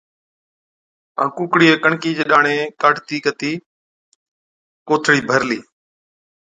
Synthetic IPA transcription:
ã̰ːkukɽiːeːkəɳkiːd͡ʒeːɗaːɳẽːkaːʈt̪iːkət̪iː | koːt̪ʰɽiːbʱəɾliː

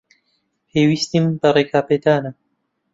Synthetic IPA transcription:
pʰeːwiːst̪imbɐreːkʰaːped̪aːnɐ

